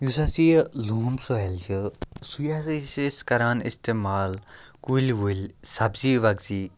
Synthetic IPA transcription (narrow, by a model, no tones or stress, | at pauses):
jusasiluːmsoelt͡ʃʰisujasseskɐɾaːnḭst̪eːmaːl | kulʲʋulʲsɐbziːʋɐɡzi